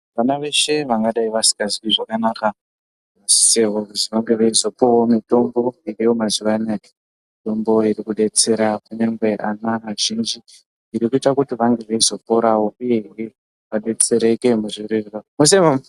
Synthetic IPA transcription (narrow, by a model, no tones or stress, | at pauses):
ʋanaʋe̞ʃe̞ʋaŋɡaɗaiʋasi̥kaziiʐakanaka | ʋasi̥seʋokuziʋaŋɡe̞ʋeizo̞powomito̞mbo̞irijo̞maziʋanake̥ | mito̞mbo̞iɾikuɗe̞t͡se̞ɾakuneŋɡwe̞ʔanaɦːʒind͡ʒi | iɾikuitakutiʋaŋɡe̞ʋeizo̞po̞ɾawouje̞iri | ʋaɗe̞t͡se̞ɾeke̞muʐiɾiriramus̬emam